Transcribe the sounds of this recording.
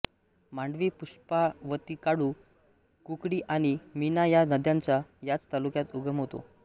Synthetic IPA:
maɳɖʋiːpuʂpaʋət̪iːkaɽu | kukɽiːʔaɽ̃iminajanəd̪jãɲt͡ɕjajat͡st̪alukjat̪uɡʱəmɦot̪o̰

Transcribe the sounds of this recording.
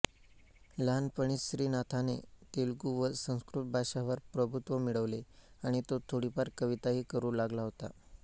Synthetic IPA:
lanpəɳ̃isɾiːnat̪ʰanet̪elɡuʋəsə̃w̃skɾut̪̚bʱaɕaʋəɾpɾəbʱut̪ʋəmiɭəʋleaɽ̃it̪ot̪ʰoɽipaɾkəʋit̪aɦiːkəɾuːlaɡlaɦot̪a̰

